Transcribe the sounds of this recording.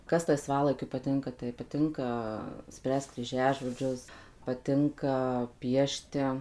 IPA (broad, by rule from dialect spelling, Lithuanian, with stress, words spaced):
ˈkɐs lˠɐɪˈsʋɑːlˠɐɪkʲʊ pɐˈtʲɪŋkɐ tɐɪ pɐˈtʲɪŋkɐ ˈsʲpʲrʲæːst krʲiːˈʒʲæːʒoːd͡ʒʲʊs pɐˈtʲɪŋkɐ ˈpʲiɛʃʲtʲɪ